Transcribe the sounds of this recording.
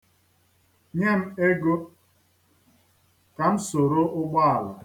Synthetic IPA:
ɲe˦m̩˦e˦ɡo˦ | ka˨m̩˦so˨ɾo˦ʔʊ˦ɡ͡bɔ˦a˨lʊ˨

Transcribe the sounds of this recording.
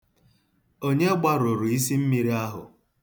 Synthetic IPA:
o˦ɲe˦ɡ͡ba˦ɾʊ˨ɾu˨i˦si˦m̩˦mi˨ɾi˦a˦ɦʊ̰˨

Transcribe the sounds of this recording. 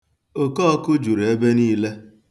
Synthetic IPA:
o˨kɔː˦kʊ˦d͡ʒu˨ɾe˦be˦niː˦le˦

